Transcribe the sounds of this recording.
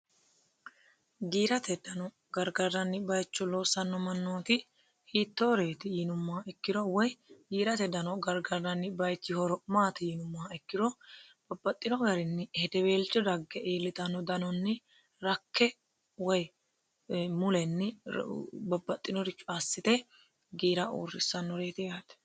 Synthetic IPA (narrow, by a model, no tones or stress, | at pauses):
ɡiːɾɐt̪ɛd̪ɐnɔ | ɡɐɾɡɐrːɐnːɪbɐjt͡ʃːɔlo̞ːsɐnːɔmɐnːo̞ːt̪ɪ | hiːt̪ːoːɾeːt̪ɪjinʊmːɐɛkːɪd̪ɔwɔjɡiːɾɐt̪ɛd̪ɐnɔɡɐɾɡɐrːɐnːɪbɐjt͡ʃːɪhɔɾɔmaːt̪ɪjɪnʊmːɐɛkːɪd̪ɔb̥ɐbːɐt̪ʼːɪnɔɡɐɾɪnːɪhɛd̪ɛbeːlt͡ʃːɔd̪ɐɡːɛʔeːlːɪt̪ɐnːɔd̪ɐnɔnːɪ | ɾɐkʰːɛ | wɔj | mʊlɛnːɪ | bɐbːɐt̪ʼːɪnɔɾɪt͡ʃːʊasːɪt̪ɛ | ɡiːɾɐʔṵːrːɪsːɐnːɔɾe̞ːt̪ɪjaːt̪ɛ̥